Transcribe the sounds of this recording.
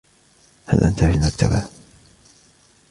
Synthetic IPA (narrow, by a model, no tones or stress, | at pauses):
ha̰lʔa̰nt̪aːhɪlmak̚t̪ʰa̰ba